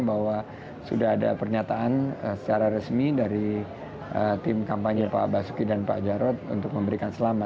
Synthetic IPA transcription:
bahwa | sṵdahɦada̰pərɲat̪aʔanəsə̥t͡ʃaɾaɾəsmidaɾi | ət̪ɪmkampaɲapa̰basu̥kidanpa̰d͡ʒaɾɔt̪̚ṵnt̪ʊk̚məmbəɾikansəlama

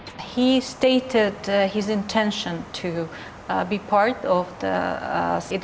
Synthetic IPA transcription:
histeɪɾɪdhɪzɨ̃ntʰɛ̃nʃə̃ntʰɨ | bipʰaɹtɔvðə̰s

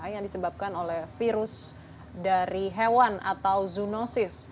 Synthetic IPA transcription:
ajaŋdisəbap̚kanolɛhfiɾʊs | daɾiɦewana̰t̪awzunosɪs

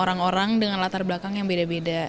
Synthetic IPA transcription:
oɾaŋoɾaŋdəŋanlat̪arblakaŋjaŋbedabeda

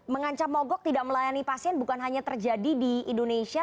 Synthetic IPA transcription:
məŋaɲt͡ʃamːɔɡɔk̚t̪idaʔ̚məlajanipasiɛnbukanɦaɲat̪ərd͡ʒadidiindonesia

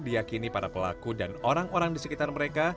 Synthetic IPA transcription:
dijakinipaɾapəla̰kudanoɾaŋoɾaŋdisəkit̪arməɾeka

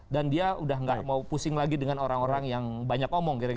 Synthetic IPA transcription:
dandiaudahŋɡaʔmaupusɪŋlaɡidəŋanoɾaŋoɾaŋjaŋbaɲakomɔŋkiɾak

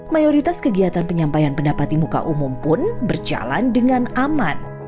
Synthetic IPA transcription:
majoɾit̪askəɡiat̪anpəɲampajanpəndapat̪imuka̰ʔumumpʊnbərd͡ʒa̰la̰ndəŋanaman

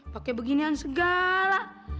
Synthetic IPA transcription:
pakɛbəɡiniansəɡala

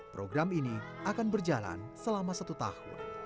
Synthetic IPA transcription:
pɾoɡɾaminiʔakanbərd͡ʒala̰nsəlamasat̪ut̪ahʊ̰n

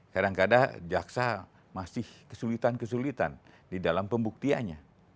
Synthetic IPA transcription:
kadaŋkada̰d͡ʒaksa | masɪhkəsulit̪ankəs̬ulit̪a̰n | didalampəmbuk̚t̪iaɲa

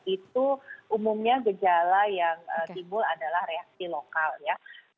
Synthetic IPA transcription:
it̪uʔumumɲaɡəd͡ʒalajaŋət̪imbʊladalahɾeak̚silokalja

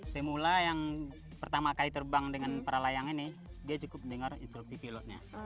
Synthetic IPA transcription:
səmulajaŋ | pərt̪amakalit̪ərbaŋdəŋanpəɾalajaŋinɪdiat͡ʃukʊp̚dəŋarḭnst̪ɾuk̚sipilɔt̪̚ɲa̰

